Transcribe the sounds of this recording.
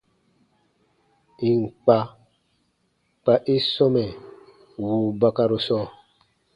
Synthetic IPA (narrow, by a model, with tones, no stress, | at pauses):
i˨ŋ˨k͡pa˦ | k͡pa˨ʔi˦sɔ˦mɛ˨ | wuː˨ba˨ka˦ɾu˨sɔ˦